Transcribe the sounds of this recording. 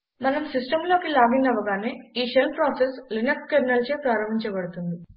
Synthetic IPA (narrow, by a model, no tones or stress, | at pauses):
mɐnɐmsisʈɐmlo̞ːkilaːɡinːɐʋɐɡaːneːiːʃelpɾaːseslinɐkskemnɐlt͡ʃeːpɾaːɾɐm̤ːiɲt͡ʃɐbɐɽut̪und̪i